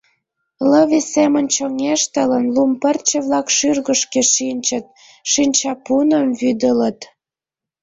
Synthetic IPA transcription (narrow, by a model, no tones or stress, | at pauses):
ləβisemə̆nʲt͡ɕoŋeʃt̪ələnlumpə̆rt͡ɕə̆βlɑkʃyrɣəʃkeʃinʲt͡ɕə̆t̪̚ | ʃinʲt͡ɕɑpunəmvyd̪ələt̪